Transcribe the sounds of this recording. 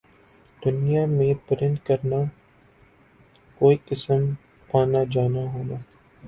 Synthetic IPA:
d̪̥ʊnijamẽpɪɾɪ̃nd̪kəɾna | koːiɪsəm | pʰaːnad͡ʒaːnaɦoːnaː

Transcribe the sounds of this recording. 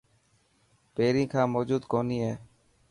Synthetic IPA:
peːɾĩːkʰãːmoːd͡ʒuːd̪koːniːɦɛː

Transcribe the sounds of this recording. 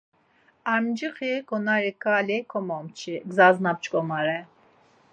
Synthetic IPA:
amd͡ʒiχiɡɔnaɾikʰʼalikʰɔmɔmt͡ʃʰiɡzaznap̚t͡ʃkʼɔmaɾɛ

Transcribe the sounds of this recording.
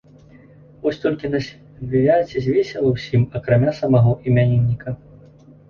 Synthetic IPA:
vɔsʲt̪ɔlʲkʲinasʲ | vʲivʲat͡sʲizʲvʲesʲɛlˠɐwsʲimɐkɾamʲasɐmaɣɔʔimʲanʲinʲːikɐ

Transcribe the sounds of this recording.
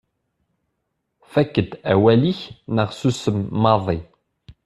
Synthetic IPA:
fækːəd̪æwæliçnəʁsusəmːɑðˤi

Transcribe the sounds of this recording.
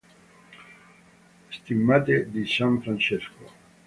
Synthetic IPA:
st̪imːat̪ed̪isãɱfɾãnt͡ʃesko

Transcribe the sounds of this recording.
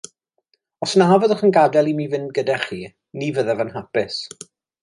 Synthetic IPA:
ɔsnaavəðəχənɡadɛlˠimiːvɪnɡədaχiː | nivəðɛvənɦapɪs

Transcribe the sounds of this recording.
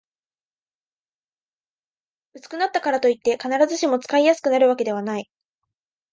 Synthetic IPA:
ɯ̟t͡sɨ̥kɯ̟nat̪ːakaɾat̪o̞it̪ːe̞kanaɾazɨɕimo̞t͡sɨ̥kaijasɨ̥kɯ̟naɾɯ̟βake̞d̪e̞β̞anai

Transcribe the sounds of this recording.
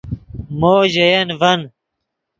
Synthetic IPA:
moːʑejɐnvɐn

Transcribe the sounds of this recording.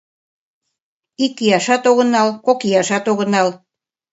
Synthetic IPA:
ikːijɑʃɑt̪oɣə̆nɑlkokijɑʃɑt̪oɣə̆nɑl

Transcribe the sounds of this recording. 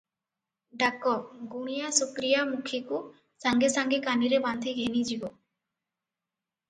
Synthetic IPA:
ɖakːɔɡuɽ̃ijasukɾijamukʰeku | saŋɡesaŋɡekaniɾebant̪ʰeɡʱenid͡ʒibɔ

